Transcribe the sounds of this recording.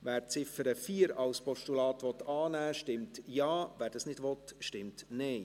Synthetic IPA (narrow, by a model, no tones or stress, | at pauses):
ʋæːɾt͡sɪfəɾəfiːəɾɑlspɔʃtulɑːtʋɔt̪ːɑːnæːʃtɪmtjɑːvæːɾd̥ɑsnɪdʋɔtʃtɪmtnɛɪ